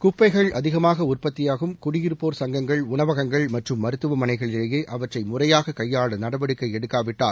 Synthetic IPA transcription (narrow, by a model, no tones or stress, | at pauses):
kʊpːɐɪɣɐɭɐðɪɣɐmaːɣɐʊrpɐt̪ːɪjaːɣɯmkʊɽɪjɪɾɯpːoːɾsɐŋɡɐŋɡɐɭʊnɐʋɐɣɐŋɡɐɭmɐʈrɯmːɐɾɯt̪ːɯʋɐmɐnɐɪɣɐɭɪleːjeːʔɐʋɐʈrɐɪmʊrɐjaːɣɐkɐjːaːɭɐnɐɽɐʋɐɽɯkːɐɪɛɽɯkːaːʋɪʈːaːl